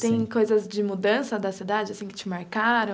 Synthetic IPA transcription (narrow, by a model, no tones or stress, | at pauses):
t̪ẽj̃kojzɐzd͡ʒɪmud̪ɐ̃sɐd̪ɐsid̪ad͡ʒɪasĩkɪt͡ʃɪmaɾkaɾɐ̃